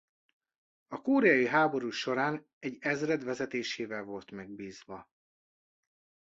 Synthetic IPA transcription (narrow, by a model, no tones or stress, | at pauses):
ɒkoːɾɛɒjiɦaːbo̞ɾuːʃo̞ɾaːn | ɛɟːɛzrɛd̪ʋɛzɛt̪eːʃeːvɛlvo̞lt̪mɛɡ̚biːzʋɒ